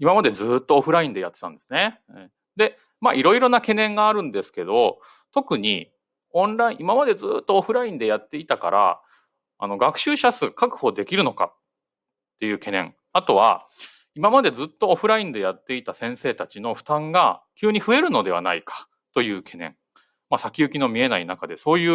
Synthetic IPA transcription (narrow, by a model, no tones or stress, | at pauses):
imamad̪e̞d͡zɨːt̪ːo̞ːɸɯ̟ɾaĩnd̪e̞jat̪ːe̞t̪ãnd̪esɨ̥ne | d̪e̞ | ma̰ʔiɾo̞iɾo̞nake̞nẽ̞ŋɡaːɾɯ̟̃nd̪e̞sɨ̥ke̞d̪o̞ | t̪o̞kɯ̟ɲ̟i | õ̞nɾaĩimamad̪e̞d͡zɨːt̪ːoːɸɯ̟ɾaĩnd̪e̞jat̪ːe̞it̪aka̰ɾa̰ | a̰no̞ɡakɯ̟̥ɕɨːɕasɨkakɯ̟̥ho̞d̪e̞kʲiɾɯ̟noka̰ | t̪ːe̞jɯ̟ːke̞nẽ̞̰ŋ | at̪o̞βa̰ | imamad̪e̞zɨt̪ːo̞ːɸɯ̟ɾaĩnd̪e̞jat̪ːe̞it̪asẽ̞ɰ̃se̞ːt̪at͡ɕino̞ɸɯ̟̥t̪ãŋɡakʲɨːɲ̟iɸɯ̟e̞ɾɯ̟no̞d̪e̞βa̰na̰ikʰḁ | t̪o̞jɯ̟ːkʰe̞nẽ̞̰ɴ | masakʲiɯ̟kʲino̞mʲie̞nainakad̪e̞so̞ːjɯ̟ː